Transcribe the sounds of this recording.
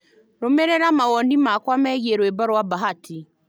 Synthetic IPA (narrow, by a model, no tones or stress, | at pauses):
ɾomɛɾɛɾamaɣɔndimakwamɛɣieɾwɛbaɾwabaɦatʰi